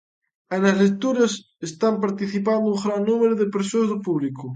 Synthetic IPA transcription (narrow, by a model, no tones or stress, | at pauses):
enazlek̚t̪uɾas | est̪ampaɾt̪iθip̬and̪ouɣɾanːumeɾoðepeɾsozðopuβliko